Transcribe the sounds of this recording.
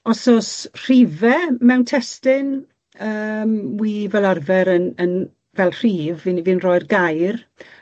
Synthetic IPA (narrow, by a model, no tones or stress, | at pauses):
ɔsɔsr̥ivɛmɛwntʰɛstɪn | əːmwivɛlˠarvɛɾənən | vɛlˠr̥iːvinivɪnrɔjrɡajr